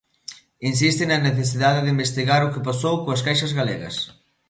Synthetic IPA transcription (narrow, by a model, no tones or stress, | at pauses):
ins̬ist̪ɪnɐneθes̬iðaðɪðɪimbest̪iɣaɾʊkɪpasowkoɐs̬kajʃɐzɣaleɣɐ̰s